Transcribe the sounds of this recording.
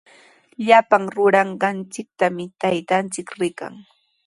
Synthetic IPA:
ʎapaŋɾʊɾɑɴɢɑnt͡sɪk̚t̪amɪt̪ajt̪ant͡sɪkɾɪka̰ŋ

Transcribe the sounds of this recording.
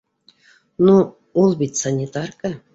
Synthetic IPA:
nu | ulˠbʲit̪ʲsanʲːit̪ɑrkə

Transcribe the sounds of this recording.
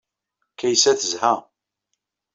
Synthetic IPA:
kæjsæθəzhæ

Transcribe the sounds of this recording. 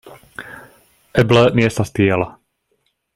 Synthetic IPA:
ʔɛblənjɛst̪ast̪jɛla

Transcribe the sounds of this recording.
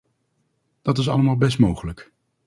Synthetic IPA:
d̥ɑtɪs̬ɑ̰ləmaːlˠbɛs̬tmowχələk

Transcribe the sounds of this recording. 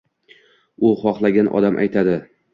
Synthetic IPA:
ʊχɒχlˠaɡʲanʔɒ̰d̪amʔa̰jt̪ʰad̪ɪ

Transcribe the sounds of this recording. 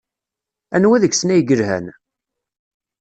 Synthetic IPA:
ænwæðəçsnæjɡəɾhæ̰n

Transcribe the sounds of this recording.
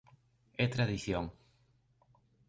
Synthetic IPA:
ɛt̪ɾaðiθjoŋ

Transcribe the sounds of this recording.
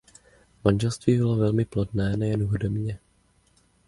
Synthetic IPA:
manʒɛlst̪viːbɪlo̞vɛlmɪplodnɛːnɛjɛnuɦodomɲɛ

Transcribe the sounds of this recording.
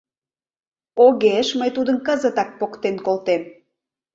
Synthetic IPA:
oɣeʃməjt̪ud̪ənkəzət̪ɑk̚pokt̪enkolt̪en

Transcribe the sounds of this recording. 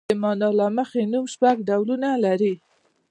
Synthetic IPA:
əmɑnɑlaməxenumʃpaɡɖawlunalaɾi

